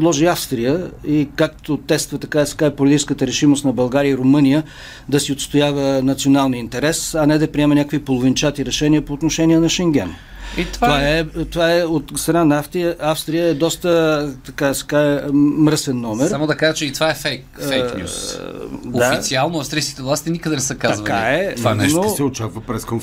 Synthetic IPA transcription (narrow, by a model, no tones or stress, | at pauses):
d̪lˠɔʒiafst̪ɾijəikakt̪ot̪ɛst̪vət̪ɐkaɛsɛ̥kaɛpolʲit̪it͡ʃɛ̥skət̪əɾɛʃimost̪nɐbɐlˠɡaɾiəiɾomɤnijə | d̪ɐsiot̪st̪ojavənɐt̪sionalˠniint̪ɛɾɛsɐnɛd̪ɐpɾiɛmɛnʲakvipolˠovint͡ʃat̪iɾɛʃɛnʲiəpoːt̪noʃɛniɛnɐʃɛŋɡ̟ʲɛ̰n | it̪vvaɛt̪ovaɛot̪st̪ɾɐnanaft̪ɾiəafst̪ɾijəɛd̪ɔst̪ət̪ɐkasɛ̥kaɛmɾəsɛnːɔmɛsɾsamod̪ɐkaʒət͡ʃɛit̪ovaɛfɛjkfɛjk̪ʲṵ | dofiialˠnoɐfst̪ɾijskʲi̥t̪ɛvlˠast̪inikəd̪ɛnɛsəkaɐzvkaɛvanɛnosɛot͡ʃakvəpɾɛskonf